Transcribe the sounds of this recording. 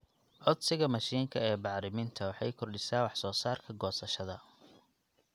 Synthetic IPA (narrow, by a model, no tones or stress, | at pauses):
ʕɔd̪sɪɣɐmɐʃiːŋkʰɐɛːbɑʕɾɪmɪnt̪ʰɐwɑħɑjkʰɔrɖɪsaːwɑħsɔːsaːrkʰɐɡɔːsɐʃɐðɐ